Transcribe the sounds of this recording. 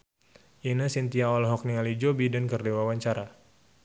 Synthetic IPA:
ʔinasint̪iaɔlɦɔk̚niŋalid͡ʒobidankərdewawaɲt͡ʃaɾa

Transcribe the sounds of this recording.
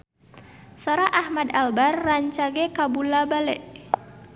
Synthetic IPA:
soɾaʔahmadalbarːaɲt͡ʃaɡɛkabulabalɛʔ

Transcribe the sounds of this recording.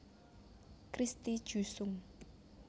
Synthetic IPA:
kɾist̪id̥ʒ̥ṳsʊŋ

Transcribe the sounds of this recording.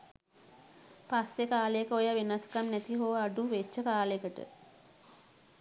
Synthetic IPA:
pasekaːləjəkəojaʋinaskamnɛt̪iɦoʋəaɖuʋet͡ʃːəkaːləjəkəʈə̰

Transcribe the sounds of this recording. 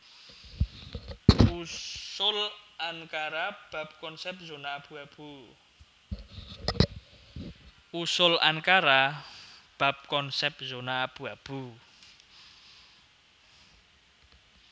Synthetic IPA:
usʊlaŋkaɾab̥a̤p̚kɔnsɛp̚zonaːb̥ṳab̥u | usʊla̰ŋkaɾa | b̥a̤p̚kɔnsɛp̚zonaːb̥ṳab̥u

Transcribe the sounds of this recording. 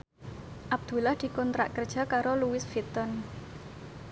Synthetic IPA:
ʔab̚d̪̥ṳlahd̪̥i̤kɔnt̪ɾa̰ʔkərd̥ʒ̥a̤kaɾoluwɪsfit̪ən

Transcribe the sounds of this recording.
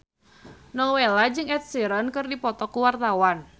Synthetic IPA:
nɔwelad͡ʒɨŋɛt̪̚siɾənkɨrdipɔt̪ɔkuwart̪awan

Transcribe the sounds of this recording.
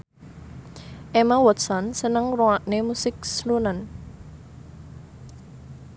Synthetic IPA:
ʔemawɔt̪sɔnsənəŋroaʔnemusɪk̚slunan

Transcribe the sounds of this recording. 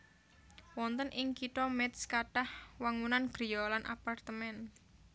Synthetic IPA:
wɔnt̪ənʔɪŋkit̪ɔmɛt̪skaɖ̥ahwaŋunanɡ̥ɾijɔlanʔa̰part̪əmɛn

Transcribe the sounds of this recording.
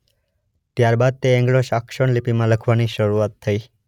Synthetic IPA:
t̪jaɾbad̪̚t̪eɛ̃ŋɡɭoʃakʃəɳlipimãləkʰʋaniʃəɾuat̪ʰːəi

